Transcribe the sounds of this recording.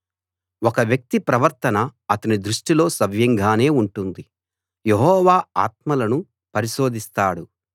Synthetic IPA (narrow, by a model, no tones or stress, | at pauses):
ɔkɐʋjɐk̚t̪ipɾɐʋɐɾt̪ɐnɐɐt̪ɐnid̪ɾuʂʈilo̞ːsɐʋjɐŋɡʱaːne̞ːuɳʈund̪i | jeɦɔːʋaːa̰ːt̪̚mɐlɐnu | pɐɾiʃo̞ːd̪ist̪aːɽu